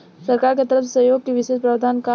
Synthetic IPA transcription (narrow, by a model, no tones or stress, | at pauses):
sɐɾkaːɾket̪əɾəfsesəjoːɡ̚keʋɪʃeːʃpɾaːd̪ʱaːnka